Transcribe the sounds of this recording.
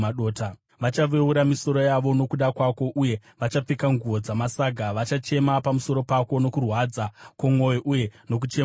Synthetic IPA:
aɗoːta | ʋat͡ʃaʋe̞uɾamiso̞ɾo̞jaʋo̞no̞kuɗakwako̞ʔuje̞ʋat͡ʃap͡fikaŋɡuo̞d͡zamasaɡʱaʋat͡ʃat͡ʃe̞mapamuso̞ɾo̞pako̞no̞kurwad͡zakamo̞joʔuje̞no̞k̬ut͡ʃe

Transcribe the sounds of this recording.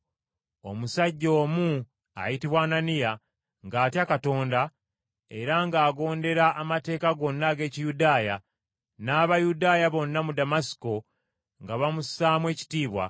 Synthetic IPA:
o̞̰musaɟːo̞ːmu | a̰jitiβwaːnanija | ŋɡaːtjakato̞ːnda | e̞ɾaŋɡaːɡo̞ːnde̞ɾaʔːmate̞ːkaɡo̞nːaɡe̞ːcijudaːja | naːβajudaːjaβo̞nːamudamasi̥ko̞ | ŋɡaβamusaːmwe̞ːci̥tiːβwa̰

